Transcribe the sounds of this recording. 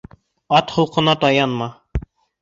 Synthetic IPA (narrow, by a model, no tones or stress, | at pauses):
ɑt̪hŏlˠqɤ̆nɑt̪ɑjɑnmɑ